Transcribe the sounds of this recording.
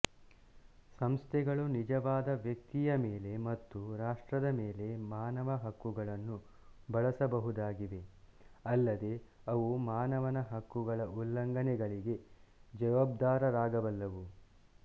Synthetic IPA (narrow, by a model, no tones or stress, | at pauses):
sɐmst̪ʰɛɡɐɭunid͡ʒɐʋaːd̪ɐʋjɐk̚t̪ijɐmeːle̞mɐt̪ːuɾaːʂʈɾɐd̪ɐmeːle̞maːnɐʋɐɦɐkːuɡɐɭɐnːu | bɐɭɐsɐbɐɦud̪aːɡiʋe̞ | ɐlːɐd̪e̞ɐʋumaːnɐʋɐnɐɦɐkːuɡɐɭɐulːɐŋɡɐnɛɡɐɭiɡe̞d͡ʒɐʋaːbd̪aːɾɐɾaːɡɐʋɐlːɐʋu